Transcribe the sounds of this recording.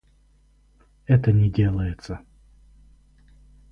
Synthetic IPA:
ɛt̪ənʲɪdʲe̞lˠəjɪt̪sə

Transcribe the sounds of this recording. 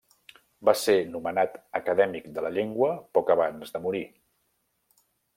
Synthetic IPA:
basenumənat̪əkəðɛmikd̪ələʎeŋɡwəpɔkəβ̞anzðəmuɾi

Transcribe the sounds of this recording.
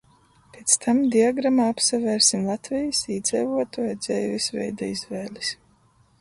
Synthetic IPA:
pet̪st̪ʰamd̪iaɡɾamaːapsavɛːɾsimlˠat̪vijɨsiːd̪zʲɛvuɔt̪uɛjd̪z̥ɛjvisvɛ̰jd̪aizvɛːlis

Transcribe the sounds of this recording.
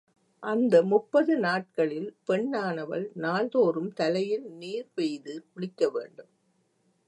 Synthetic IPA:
ʔɐnd̪ɐmʊpːɐðɯnaːʈ̚kɐɭɪlpɛɳːaːɳɐʋɐ̰ɭnaːlðoːɾɯmt̪ɐlɐjɪlniːɾʋɛjðɯkʊɽɪkːɐʋḛːɳɖɯm

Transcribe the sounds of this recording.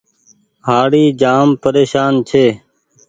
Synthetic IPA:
ɦaːɽiːd͡ʒaːmpəɾeːʃaːnt͡ʃʰeː

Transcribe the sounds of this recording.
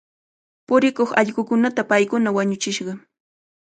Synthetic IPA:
pʊɾɪkoχɑ̰ʎɢʊkʊnat̪apajkʊnawaɲʊt͡ʃɪʃɢɑ

